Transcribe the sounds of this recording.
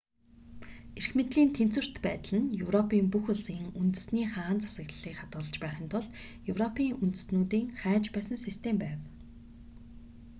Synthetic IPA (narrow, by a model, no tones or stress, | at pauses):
erxmet̪ɮiːnt̪ʰen̥t͡swɘ̆r̥t̪pæːt̪ə̆ɮɘ̆njɵwrɔpʰiːmpuxʊɮiːŋunt̪ɘ̆sniːχaːnt͡sʰḁsə̆ɣɮɮiːkχat̪ʊːɮə̆t͡ɕpæːχiːnt̪ʰʊɮt̪ | jɵwrɔpʰiːŋunt̪ɘ̆snuːt̪iːŋχæːt͡ɕpæːsə̆nsist̪ʰempæːw